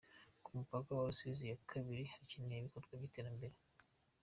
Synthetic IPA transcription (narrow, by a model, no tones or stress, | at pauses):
kumupakawaɾusizijakʰaβiɾihacineβikotɡwaɟiteːɾambe̞ɾe